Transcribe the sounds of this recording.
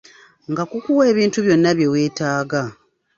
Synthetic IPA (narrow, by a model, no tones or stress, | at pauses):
ŋɡakukuwe̞ːβiːntuβjo̞nːaβje̞weːtaːɡa